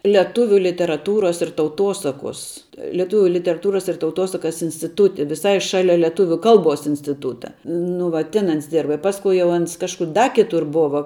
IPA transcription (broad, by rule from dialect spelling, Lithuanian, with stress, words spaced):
lʲɛˈtʊʋʲʊ lʲɪtʲɛrɐˈtuːroːs ɪr tɐʊˈtoːsɐkoːs lʲɛˈtuːʋʲʊ lʲɪtʲɛrɐˈtuːrɐs ɪr tɐʊˈtoːsɐkɐs ɪnʲsʲtʲɪˈtuːtʲɪ ʋʲɪˈsɐɪ ˈʃɑːlʲɛ lʲɛˈtʊʋʲuː ˈkɐlˠˌboːs ɪnʲsʲtʲɪˈtuːtɐ nʊ ˈʋɐ ˈtʲɪn ˈɐns ˈdʲɪrbɐ ɪ pɐsˈkʊ jɛʊ ˈɐns ˈkɑːʃkʊr dɐ kʲɪˈtʊr ˈboːʋɐ